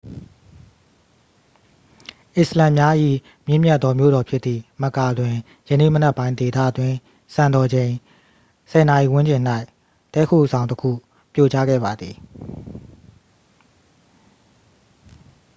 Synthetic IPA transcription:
ʔɪ˨slã˨mja˦ʔḭ˦˨ | mjɪ̃˦˨mjɛ˦ʔt̪̚ːɔ˦mjo̰˦˨ɾɔ˨pʰjɪ˦t̪t̪ːi˨mə˨ka˨dwɪ̃˨ | jə˨nḛ˦˨mə˨nɛ˦pːã˦ɪ̃nde˨t̪ä̰˦˨twɪ̃˦˨ | sã˨ndɔ˨d͡ʑẽ˨ɪ̃ | sɛ˨na˨ʔi˨wʊ̃˦ɲd͡ʑɪ̃˨n̥a˦ɪ | tɛ̰˦˨kʰo̰˦˨z̥ã˨ʊ̃ntəkʰṵ˦˨ | pjo˦˨t͡ɕa˦ɡɛ̰˦˨ba˨d̪ði˨

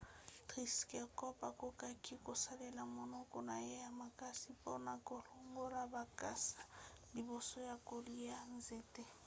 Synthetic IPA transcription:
tri˦skɛ˨kɔ˦pʼa˨ko˦kʼa˦ki˦kʼo˨sa˦lɛ˨la˨mɔ˨nɔ˦kɔ˦na˨jɛ˦ja˦ma˨ka˦si˦pɔ˦na˨ko˦lu˦ŋɡo˦ɾa˦ba˨ka˦sḁ˨di˨bɔ˨sɔ˦ja˨ko˦li˦a˦n˦ze˨tʼe˦

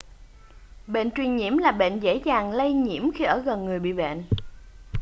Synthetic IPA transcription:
ɓḛ˧˨nt͡ɕwi˨˩ənɲḭ˧˥əmlaː˨˩ɓḛ˧˨nzḛ˧˥zaː˨˩ŋlə˧jɲḭ˧˩˥əmxi˧ʔəː˧˩ɣə˨˩nŋɨ˨˩əjɓḭ˧˨ɓɛ̰˧˨n

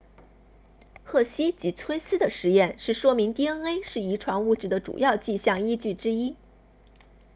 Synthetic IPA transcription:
xɤ˥˩ɕi˥t͡ɕi˧˥t͡sʰwe˥ɪsɹ̩˥d̪ə˨ʂɻ̩˧˥jɛ˥˧˩nʂɻ̩˥˩ʂwɔ˥mi˧˥ŋt̪i˥ə˥ŋe˥ɪʂɻ̩˥˩i˧˥ʈ͡ʂʰwɑ˧˥ŋu˥˧ʈ͡ʂɻ̩˥˩d̪ə˦ʈ͡ʂṵ˨˩jɑ˥˧ʊt͡ɕi˥˧ɕjɑ˥˩ŋi˥t͡ɕy˥˩ʈ͡ʂɻ̩˥i˥

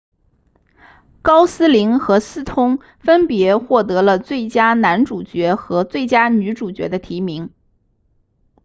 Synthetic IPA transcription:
kɑ˥ʊsɹ̩˥li˧˥ŋxɤ˧˥sɹ̩˥t̪ʰʊ˥ŋ | fə˥npjɛ˧˥xwɔ˥˩t̪ɤ˧˥lə˧t͡swe˥˩ɪt͡ɕja˥na˧˥nʈ͡ʂu˨˩t͡ɕɥɛ˧˥xɤ˧˥t͡swe˥˩ɪt͡ɕja˥ny˧˥ʈ͡ʂu˨˩t͡ɕɥɛ̰˧˥d̪ə˧t̪ʰi˧˥mi˧˥ŋ

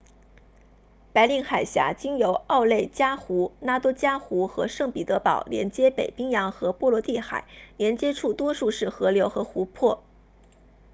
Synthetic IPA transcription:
pa˧˥ɪli˥ŋxa˨˩ɪɕja̰˧˥t͡ɕi˥ŋjo˧˥ʊɑ˥˧ʊle˥˩ɪt͡ɕja˥xu˧˥na˥t̪wɔ˥t͡ɕja˥xu˧˥xɤ̰˧˥ʂɤ˥˩ŋpi˨˩t̪ɤ˧˥pɑ˨˩ʊljɛ̰˧˥nt͡ɕjɛ˥pe˨˩ɪpi˥ŋjɑ˧˥ŋxɤ˧˥pwɔ˥˩lwɔ˧˥t̪i˥˩xa̰˨˩˦ɪljɛ˧˥nt͡ɕjɛ˥ʈ͡ʂʰu˥˩t̪wɔ˥ʂu˥˧ʂɻ̩˥˩xɤ˧˥ljo˧˥ʊxɤ˧˥xu˧˥pʰwɔ˥˩

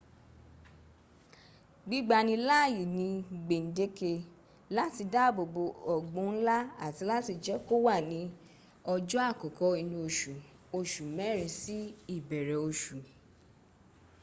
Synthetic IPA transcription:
ɡ͡bi˦ɡ͡ba˧˨nĩ˧la˦˨ji˨nĩ˧˨ɡ͡be˨n̩˨de˨˦ke˧ | la˦ti˧da˦˨bo˨bo˧ɔ˨ɡ͡bũ˨˦n̩˦la˦a˦˨ti˧la˦ti˧d͡ʒɛ˦ko˦wa˦˨nĩ˧˦ | ɔ˧d͡ʒɔ˦a˦˨kɔ˨kɔ˨˦i˧nũ˧o˨ʃu˨ | o˧ʃu˨mɛ˨˦˨ɾĩ˨˧si˦i˦˨bɛ˨ɾɛ˨o˧ʃu˨

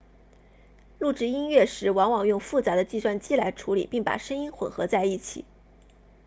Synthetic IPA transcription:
lu˥˩ʈ͡ʂɻ̩˥i˥nɥɛ˥˩ʂɻ̩˧˥wɑ˧˥ŋwɑ˨˩ŋjʊ˥˧ŋfu˥˩t͡sa˧˥d̪ə˧t͡ɕi˥˧swa˥˧nt͡ɕi˥la˧˥ɪʈ͡ʂʰu˧˥lḭ˨˩pi˥˩ŋpa̰˨˩ʂə˥ŋi˥nxwə̰˨˩nxɤ˧˥t͡sa˥˧ɪi˥˩t͡ɕʰḭ˨˩˦

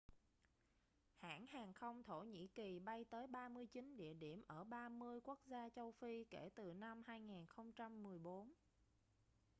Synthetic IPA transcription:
ha̰ː˧˥nhaː˨˩ŋxə˧wŋ͡mt̪ʰo˧˩ɲḭ˧˥ki˨˩ɓa˧jt̪əː˨˦jɓaː˧mɨ˧əjt͡ɕi˨˦nɗḭ˧˨əɗi˧˩əmʔəː˧˩ɓaː˧mɨ˧əjku˦˥k̚zaː˧t͡ɕə˧wfi˧ke˧˩t̪ɨ˨˩na˧mhaː˧jŋaː˨˩nxə˧wŋ͡mt͡ɕa˧mːɨ˨˩əjɓo˨˦n

